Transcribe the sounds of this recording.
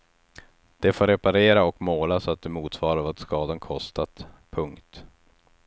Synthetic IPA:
d̪̥ɛfoːɾɛpaɾeːɾaɔkmoːlasɔat̪̚d̪ɛmuːt̪svɑːɾvat̪skɑːd̪ankʰɔst̪at̪pʰɵŋkt̪

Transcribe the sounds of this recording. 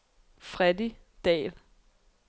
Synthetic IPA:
fʁɛd̥i | d̥ɛ̰ːl

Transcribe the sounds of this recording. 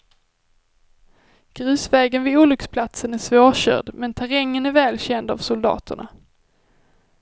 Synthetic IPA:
ɡ̥ɾʉ̟ːsvɛːɡənvɪuːlʏkspʰlat̪sənæʂvoːɕœ̰ːɖmɛnt̪ʰæɾɛŋːənæɾvɛːlɕɛnd̪a̰vsʊld̪ɑ̰ːt̪ʰə̰ɳa̰

